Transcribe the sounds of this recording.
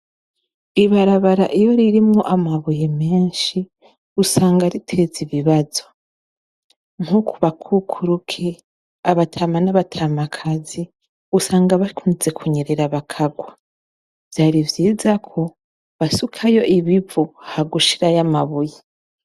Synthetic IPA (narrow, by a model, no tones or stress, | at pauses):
iβaɾaβaɾa̰ʔijo̞ɾiɾimŋoʔamaβujeme̞ːnʃi | usaːŋɡaɾitʰe̞ziβiβazo̞ | ŋukʰuβakʰukʰuɾukʰe | aβatʰaːmanaβatʰaːmakʰazi | usaːŋɡaβakʰunze̞kʰuɲeɾeɾaβakʰaɡwa | v̥jaːɾivjiːzakʰo̞ | βasukʰajo̞ʔiβivuhaɡuʃiɾajamaβuje